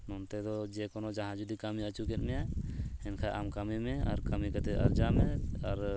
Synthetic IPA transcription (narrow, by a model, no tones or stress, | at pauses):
nɔnt̪ɛd̪ɔd͡ʒɛkɔnɔd͡ʒaɦãd͡ʒud̪ikamiət͡ʃukɛt̪̚ˀmɛjahɛnkʰaʔamkamimɛaɾkamikat̪ɛʔa̰ɾd͡ʒamɛaɾ